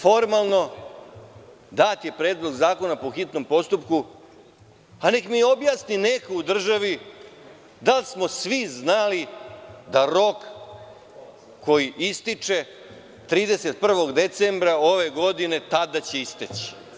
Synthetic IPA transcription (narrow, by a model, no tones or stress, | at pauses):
fo̞ɾmalˠno̞ | d̪at̪je̞pɾeːd̪loɡzaːko̞napoxit̪no̞mpo̞st̪upku | ane̞kmio̞bjaːsninekoud̪r̩ʒaʋi | d̪alsmo̞sʋiznalid̪aɾo̞k | ko̞jiʔist̪it͡ʂe̞ | t̪ɾiːd̪e̞se̞t̪̚pr̩ʋo̞ɡd̪e̞t̪sembɾao̞ʋe̞ɡo̞d̪ine̞t̪ad̪at͡ɕe̞ist̪et͡ɕi̥